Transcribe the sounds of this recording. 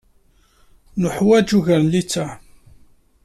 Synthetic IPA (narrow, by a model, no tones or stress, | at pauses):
nʊħwæd͡ʒuʝəɾnlit͡sːa